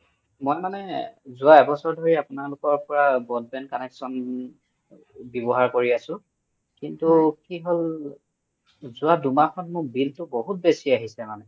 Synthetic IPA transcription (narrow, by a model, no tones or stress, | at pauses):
mojmanɛzʊaɛbɔsɔɹdʱoɹiapʊnalʊkɔɹpɔɹabɔd̚bɛnkɔnɛksɔn | bɔbɔɦaɹkoɹiasʊ̃ | kintukiɦol | zʊadumakʰɔnmʊkbiltʊboɦut̚besiaɦisɛmanɛ